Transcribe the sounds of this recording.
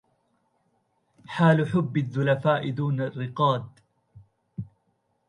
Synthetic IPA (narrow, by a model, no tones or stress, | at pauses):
ħaːlʊħʊbːɪðːʊlafaːʔɪd̪uːnarːɪqɑːd̪̚